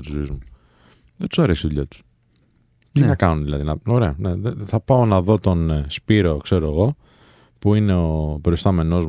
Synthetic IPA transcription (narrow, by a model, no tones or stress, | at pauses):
t̪uzoizmu | ðet̪u̥sɐɾesiðuʎɐt̪u̥s | t̪inɐkɐnunðilɐðinɐoɾe̞ɐne̞ðθɐpɐo̞nɐðo̞t̪o̞nspiɾo̞kse̞ɾoeɣo̞ | puine̞opɾo̞ist̪ɐme̞no̞z